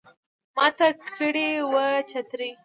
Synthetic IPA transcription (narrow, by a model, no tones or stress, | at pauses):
mɑt̪akʰəɽewət͡ʃat̪ɾi